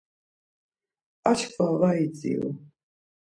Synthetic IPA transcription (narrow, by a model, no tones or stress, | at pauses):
at͡ʃʰkʰvavait͡sʼḭṵ